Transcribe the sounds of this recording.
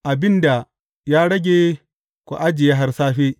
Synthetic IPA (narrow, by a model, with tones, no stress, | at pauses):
ʔa˨bɪ˦nda˨ | jaː˦ɽɐ˦ɡʲe˦ | kʷo̰˨ʔa˦d͡ʒɪ˨ja˦ɦa˦rsaː˦ɸe˦